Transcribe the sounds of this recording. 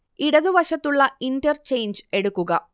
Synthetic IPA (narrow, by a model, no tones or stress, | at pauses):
iɽɐðuʋɐʂɐt̪ːuɭːɐinʈɐɾt͡ʃe̞jnd͡ʒe̞ɽukːuɡɐ